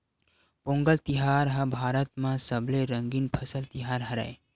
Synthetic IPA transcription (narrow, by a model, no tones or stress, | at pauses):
põːŋɡəlt̪ɪɦaːɾɦɐ̃bʱaːɾət̪mãsəbleɾə̃ŋɡiːnpʰɐsəlt̪ɪɦaːɾɦɐɾa̰e